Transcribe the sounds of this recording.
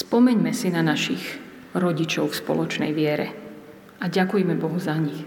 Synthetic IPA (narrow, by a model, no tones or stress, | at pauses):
spɔmɛɲmɛsinanaʃiɣ | ɾɔɟit͡ʃɔʊfspɔ̰lɔt͡ʃnɛ̰jʋɪɛɾɛ̰ | aɟakujɛmɛbɔɦuzaɲix